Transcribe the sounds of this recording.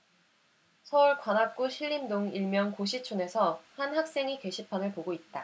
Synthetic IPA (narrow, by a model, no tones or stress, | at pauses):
sʰʌuɭkwanak̚k͈uɕʰiʎːimdoŋiɭmjʌnkoɕʰit͡ɕʰune̞sʰʌhanhak̚s͈e̞ŋike̞ɕʰipʰanɯɭpoɡoit̚t͈a